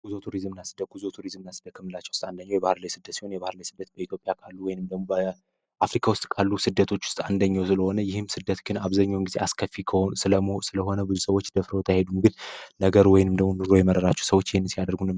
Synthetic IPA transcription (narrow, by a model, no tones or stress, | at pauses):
ɡ̥uzot̪ʰuɾizmnasɨd̪əɡ̥uzot̪ʰuɾizmnasɨd̪əkʰəmːɨlat͡ʃːəwʊst̪ʼand̪əɲːawjɛbahɨɾlajsɨd̪ːət̪si̥ho̞njɛβahɨɾlajsɨd̪ːət̪̚bəit̪jo̞pʼjakʰalːuwɔjɪnɨmd̪əɡmo̞bə | ʔafɾikʰawʊst̪ʼkʰalːusɨd̪ːət̪ʰo̞t͡ʃːwʊ̥st̪ʼand̪əɲːawsɨləho̞nəjɪhɨmsɨd̪ːət̪ɡɨnaβzaɲːawŋɡizeʔaskʰəfːikʰəsɨləmosɨləɦo̞nəbɨzusəwot͡ʃːd̪əfɾəwot̪ʰəjahed̪umɡɨnnəɡəɾwɔjnɨmd̪əɡmonɨɾo̞jɛməɾəɾat͡ʃːɛ̥səwot͡ʃːjɪhnːɨnsijad̪əɾɡunɨ